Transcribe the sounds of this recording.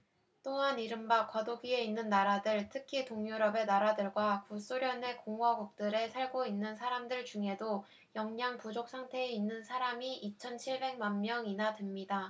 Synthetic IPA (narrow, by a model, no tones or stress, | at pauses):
t͈oɦaniɾɯmbakwʌdoɡie̞inːɯnːaɾadɯɭtʰɯkʰitoŋjuɾʌbe̞naɾadɯɭɡwakus͈oɾjʌne̞koŋwaɡuk̚t͈ɯɾe̞sʰaɭɡoinːɯnsʰaɾamdɯɭt͡ɕuŋe̞do | jʌŋɲaŋpud͡ʑok̚s͈ʰaŋtʰe̞ːinːɯnsʰaɾamiʔit͡ɕʰʌnt͡ɕʰiɭbe̞ŋ̚manmjʌŋinatɯmɲida